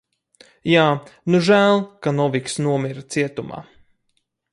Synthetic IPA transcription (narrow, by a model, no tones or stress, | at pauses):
jaːnuʒæːlˠkanɔviksnuɔmiɾt̪siɛt̪uma̰ː